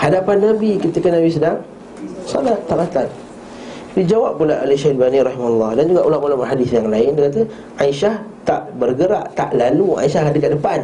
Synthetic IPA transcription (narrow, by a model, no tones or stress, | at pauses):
hadapanːabikit̪əkənabis̬ədaŋ | sɔ̰lat̪ːapat̪an | did͡ʒawap̚ːulaʔalʃalbaniɾɑhimaulːɑhdand͡ʒuɡaʔulamulamaɦadɪsjaŋlaɪndəkat̪ə | ʔaiʃaht̪aʔbərɡəɾa̰ʔt̪a̰ʔlalua̰iʃaɦdəkaʔdəpan